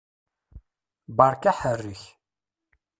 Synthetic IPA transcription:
bɑɾˤkaħərːəç

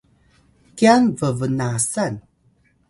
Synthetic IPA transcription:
kianvəvənasan

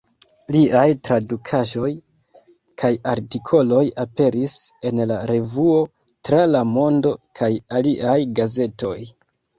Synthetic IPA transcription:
liʔajtɾadukʰaʒo̞j | kʰajaɾtikʰo̞lo̞jape̞ɾise̞nlaɾe̞vuo̞ | tɾalamo̞ndo̞kʰajaliʔajɡaze̞to̞j

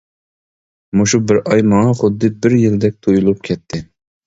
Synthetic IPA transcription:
moʃubɪɾʔɑjmɑŋɑχʊd̪ːɨbɪɾjild̪ɛk̚ʲt̪ʰojulˠup̚kʲʰɛt̪ʰːɪ

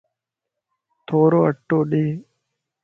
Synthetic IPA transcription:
t̪ʰoːɾoːəʈːoːɗeː

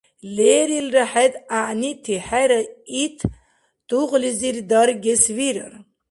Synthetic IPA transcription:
leːɾilraħɛd̪aʔnit̪ʰiħɛɾɐit̪ʰ | d̪̥uʁliziɾd̪aɾɡɛsviɾə̰ɾ

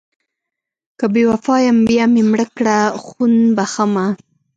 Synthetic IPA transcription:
kabewafɑjambjamemɽəkɽaxunbaxama

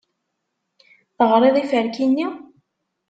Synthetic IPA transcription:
θəʁɾˤeðˤifəɾkinːi

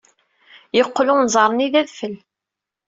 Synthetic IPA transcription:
jəqːlʊnzˤɑɾˤəniðæðfəl

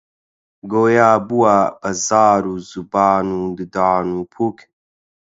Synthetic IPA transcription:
ɡoːjaːbuwaːbɐzaːɾuzubaːnud̪ɨd̪aːnupʰuk

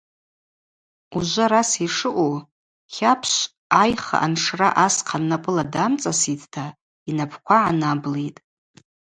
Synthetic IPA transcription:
uʒʷaɾasiʂɨʔʷʼo | χʲapʰʃʷ | ajχa̰ʔanʂraʔasqʰanːapʷʼɨladamt͡sʼasitʰtʰa | inapʰkʷaʕanablejtʼ

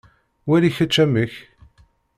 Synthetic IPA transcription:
wæliçət͡ʃːæməç

